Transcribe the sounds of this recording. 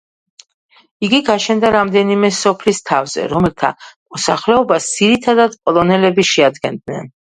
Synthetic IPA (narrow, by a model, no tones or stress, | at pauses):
iɡiɡaʃɛnd̪aɾamd̪ɛnimɛsɔpʰlist̪ʰavzɛ̰ɾɔmɛlˠt̪ʰa̰mɔsaχlɛɔbasd̪z̥iɾit̪ʰad̪ad̪pʼɔlˠɔnɛlɛbiʃɛad̪ɡɛnd̪nɛn